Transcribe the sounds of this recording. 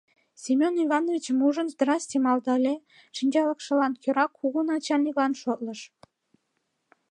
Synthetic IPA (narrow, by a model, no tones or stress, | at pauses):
sʲimʲonivɑnovʲit͡ɕəmuʒənzd̪rɑsʲt̪ʲimɑld̪ɑlʲe | ʃinʲd͡ʑɑləkʃə̆lɑnkʲøɾɑkʰːuɣunɑt͡ɕɑlʲnʲiklɑnʃot̪̚ləʃ